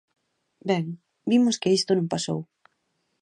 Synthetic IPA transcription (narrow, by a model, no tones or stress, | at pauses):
bɛŋ | bimʊskɪist̪onõŋpaso̰w